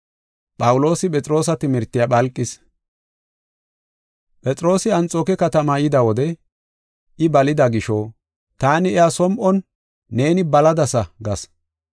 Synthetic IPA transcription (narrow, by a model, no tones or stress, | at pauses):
pʼɐwʊlo̞ːsɪpʼɛt͡sʼɾo̞ːs̬ɐt̪ɪmɪɾt̪ːɪjaɓɐlkʼːɪs | pʼɛt͡sʼɾo̞ːsɪɐnt͡sʼoːkɛkɐt̪ɐmɐjɪd̪ɐwɔd̪ɛ | ʔɪbɐlɪd̪ɐɡɪʃɔ | t̪aːnɪɛjasɔmʔɔnː | e̞ːnɪbɐlɐd̪ɐsɐɡɐs